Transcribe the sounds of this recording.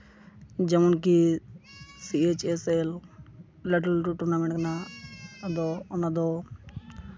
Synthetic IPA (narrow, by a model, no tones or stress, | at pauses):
d͡ʒɐmunk̬i | siet͡ʃesel | liʈəlʈuʈuɾnameɳkna | d̪onad̪o